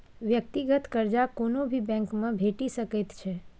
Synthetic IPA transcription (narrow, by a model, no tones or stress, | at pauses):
ʋjək̚t̪iɡət̪kəɾd͡ʒakonobʱibɛ̃ŋkmãbʱeʈiʃəket̪t͡ʃʰe